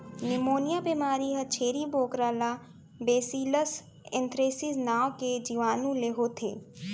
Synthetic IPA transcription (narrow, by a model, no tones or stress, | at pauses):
nɪmoːnijabimaːɾiɦət͡ʃʰeːɾiboːkɾaːla | beːsiləs | ẽnt̪ɾeːsiznaːʋked͡ʒiʋaːnũleɦot̪ʰḛː